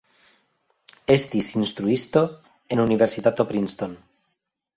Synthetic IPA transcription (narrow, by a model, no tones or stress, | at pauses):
est̪isinst̪ɾuist̪o | enuniβeɾsiðat̪opɾinst̪on